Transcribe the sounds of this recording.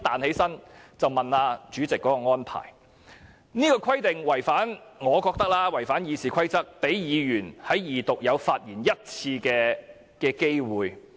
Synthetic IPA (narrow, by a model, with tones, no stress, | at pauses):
t̪aː˨nhe˨˥jsɐ˥nt͡sɐ˨wmɐ˨naː˧t͡ʃyː˨˥t͡sɪ˨kːɔ˨˥kɔː˧ŋɔː˥npʰa̰ː˨˩j | niː˥kɔː˧kʰɐ˥jt̪ɪ˨ŋwɐ˨˩jfaː˨˥nŋɔː˨˧kɔː˧k̚t̪ɐ˥k̚laː˥wɐ˨˩jfaː˨˥njiː˨˧siː˨˩kʰɐ˥jt͡sɐ˥k̚pe˨˥jjiː˨˧jyː˨˩nhɐ˨˥jjiː˨˩t̪ʊ˨k̚jɐ˨˧wfaː˧t̚jiː˨˩njɐ˥t̚t͡sʰiː˧kɛː˧ | kɛː˧ke˥jwuː˨j